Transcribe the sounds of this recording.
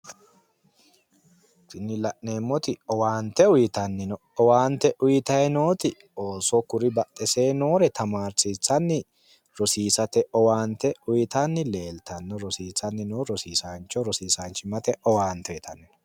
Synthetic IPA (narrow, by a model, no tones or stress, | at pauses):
kɪnːɪlɐʔne̞ːmːɔt̪ɪɔwaːnt̪ɛʊjɪt̪ɐnːɪnɔ | ɔwaːnt̪ɛʔʊjɪt̪ɐjɛno̞ːt̪ɪ | o̞ːsɔkʊɾɪbɐt̪ʼːɛse̞ːnoːɾɛt̪ʰɐmaːɾsiːt͡sːɐnːɪ | ɾɔsiːsɐt̪ɛɔwaːnt̪ɛʊjɪt̪ɐnːɪle̞ːlt̪ɐnːɔɾɔsiːt͡sːɐnːɪnoːɾɔsiːsaːnt͡ʃːɔɾɔsiːsaːnt͡ʃɪmɐt̪ɛʔɔwaːnt̪ːɛɛt̪ʰɐnːɪnɔ